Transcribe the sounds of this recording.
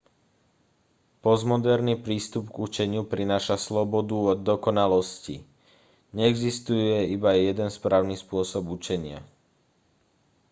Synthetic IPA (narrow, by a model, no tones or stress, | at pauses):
pɔzmɔd̪ɛɾnipɾiːst̪upɡut͡ʃɛɲɪupɾinaːʃaslɔbɔd̪uɔd̪ːɔkɔnalɔscḭ | ɲɛɛɡzist̪ujɛibajɛd̪ɛnspɾaːʊnispʊɔsɔbut͡ʃɛɲɪa̰